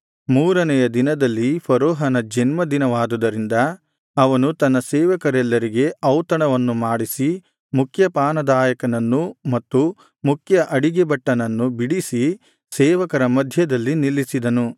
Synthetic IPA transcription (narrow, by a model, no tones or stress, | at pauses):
muːɾɐnɛjɐd̪inɐd̪ɐlːipʰɐɾoːɦɐnɐd͡ʒɐnmɐd̪inɐʋaːd̪ud̪ɐɾind̪ɐ | ɐʋɐnut̪ɐnːɐsɛːʋɐkɐɾɛlːɐɾiɡe̞ɐwt̪ɐɳɐʋɐnːumaːɽisi | mukʰjɐpaːnɐd̪aːjɐkɐnɐnːumɐt̪ːu | mukʰjɐʔɐɽiɡebɐʈːɐnɐnːubiɽisi | sɛːʋɐkɐɾɐmɐd̪ʱjɐd̪ɐlːinilːisid̪ɐnu